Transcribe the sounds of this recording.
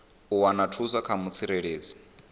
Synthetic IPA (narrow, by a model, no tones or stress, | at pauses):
uwanatʰuzʷakʰamut͡sʰiɾɛɺeːd͡zi